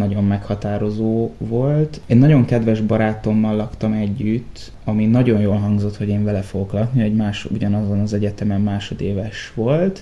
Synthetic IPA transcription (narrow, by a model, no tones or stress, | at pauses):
nɒɟo̞mːɛkhɒt̪aːɾo̞zoːvo̞lt̪ɛɟnɒɟo̞ŋkɛd̪vɛʒbɒɾaːt̪o̞mːɒlːɒkt̪ɒmɛɟːyt̪ː | ɒminɒɟo̞njoːlɦɒŋɡzo̞t̪ho̞ɟeːɱvɛlɛfoɡo̞klɒk̪nioɟmaːʃuɟɒnɒzonɒzɛɟɛt̪ɛmɛmːaːʃo̞d̪eːvɛʃʋo̞lt̪